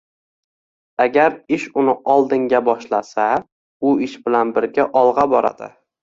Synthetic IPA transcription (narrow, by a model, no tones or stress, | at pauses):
aɡʲaɾɪʃʊnɪʔɒlˠd̪ɪŋɡʲabɒʃlasa | ʊɪʃbɪlanbɪɾɡʲaʔɒlˠʁɑbɒɾa̰d̪̥ɪ̰